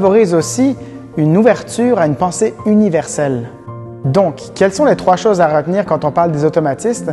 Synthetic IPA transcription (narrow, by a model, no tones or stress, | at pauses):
vɔʁiːzosi | ynuvɛʁt̪yːʁaynpɑ̃seynivɛʁsɛl | d̪ɔ̃kʰːɛlsɔ̃let̪χwaʃoːzaʁət̪niːʁkɑ̃t̪ɔ̃paʁld̪ezɔt̪ɔmat̪ist̪